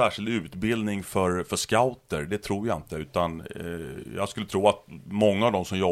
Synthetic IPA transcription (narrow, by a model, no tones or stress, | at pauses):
æːʂɪld̪ʉ̟ːt̪bɪld̪nɪŋfœɾfœʂkaʊt̪əɾɖɛt̪ʰɾuːɾjaɪnt̪əʉ̟ːt̪an | jɑ̰ːɡskɵlːət̪ʰɾuːat̪mɔŋːaːvd̪ɔmsɔmjɔ